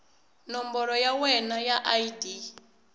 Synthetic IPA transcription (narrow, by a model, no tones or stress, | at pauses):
nɔmbɔɺɔjawɛnajaʔaidi